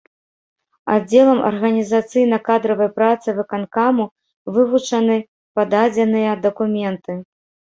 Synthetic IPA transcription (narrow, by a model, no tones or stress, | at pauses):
a̰d͡zʲɛlˠɐmʔɐ̰rɣɐnʲizat̪sɨjnɐkad̪ɾɐvɐjpɾat̪sɨvɨkankamu | vɨvut͡ʂɐnɨ | pad̪ad͡zʲɛnɨjɐd̪ɐkumʲɛnt̪ɨ